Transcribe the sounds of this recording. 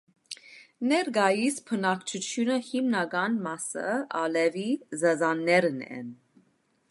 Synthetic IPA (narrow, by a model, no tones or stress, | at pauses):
nɛɾɡɑjispʰənɑkʰt͡ʃʰut͡ʃʰjunəhimnɑɡɑnmɑsə̰ɑlɛvizɛzɑnːɛɾnɛ̰n